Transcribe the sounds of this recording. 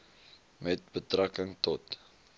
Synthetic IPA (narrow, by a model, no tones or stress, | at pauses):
mɛt̚bətrakəŋtɔt